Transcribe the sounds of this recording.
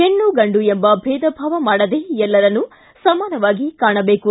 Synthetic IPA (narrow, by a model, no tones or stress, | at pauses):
enːuɡɐɳɖuembɐbʱɛːd̪ɐbʱaːʋɐmaːɽɐd̪eːɛlːɐɾɐnːu | sɐmaːnɐʋaːɡikaːɳɐbe̞ːku